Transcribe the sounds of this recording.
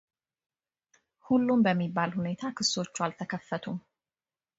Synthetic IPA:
hulːumbəmːibːalhune̞t̪ʰakʰɨsːo̞t͡ʃːualt̪ʰəkʰəfːət̪ʰum

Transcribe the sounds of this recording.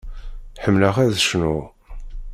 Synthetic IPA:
ħəmːləʁæðʃnu

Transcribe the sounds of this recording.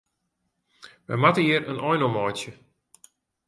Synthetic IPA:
ʋɛ̰matəiəɾənʔɔjnɔmɔjtjə

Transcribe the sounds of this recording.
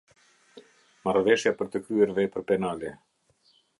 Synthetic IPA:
marvɛʃjapəɾt̪əkɾyɛɾvɛpəɾpɛnalɛ

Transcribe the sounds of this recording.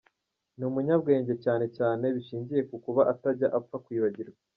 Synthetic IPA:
numuɲabɡe̞ːɲɟe̞caːne̞caːne̞βiʃiːɲɟije̞kukuβaʔataɾɟaʔafakwiːβaɟiɾɡa

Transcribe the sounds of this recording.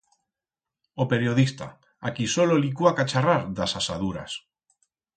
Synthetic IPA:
ope̞ɾjo̞ðist̪a̰ | akisololikuakat͡ʃaraɾðasasaðuɾa̰s

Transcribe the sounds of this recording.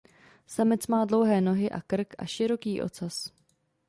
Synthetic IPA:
samɪt͡smaːdlo̞wɦɛːno̞ɦɪʔakr̩kʔa̰ʃɪɾo̞kiːʔo̞̰t͡sas

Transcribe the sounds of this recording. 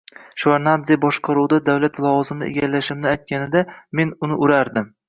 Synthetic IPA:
ʃvaɾnad̪zijabɒʃqʰɑɾuwd̪ad̪awlat̪lˠɒwɒzɪmɪnɪ̰eɡʲalːaʃɪmnɪajt̪̚kʲʰanɪd̪ame̞nʊnɪʔʊɾaɾd̪ɪm

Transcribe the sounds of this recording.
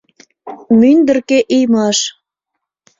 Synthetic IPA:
mynd̪ərkeʔijmɑʃ

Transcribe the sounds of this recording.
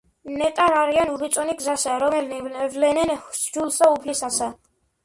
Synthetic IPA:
nɛt̪ʼaɾaɾianuɾit̪sʼɔniɡzasaɾɔmɛlnvlɛnɛnʃd͡ʒulsaupʰlisasa

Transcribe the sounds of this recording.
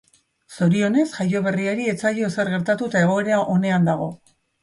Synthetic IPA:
so̞ɾio̞ne̞sʝajo̞β̞e̞riaɾie̞t͡saʎo̞se̞ɾɣe̞ɾt̪at̪ut̪ae̞ɣ̞o̞eɾeaʔo̞ne̞and̪aɣ̞o̞

